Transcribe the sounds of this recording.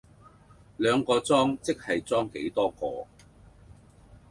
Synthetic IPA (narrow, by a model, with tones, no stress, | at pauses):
lœː˨˧ŋkɔː˧t͡sɔː˥ŋt͡sɪ˥k̚hɐ˨jt͡sɔː˥ŋke˨˥jt̪ɔː˥kɔ̰ː˧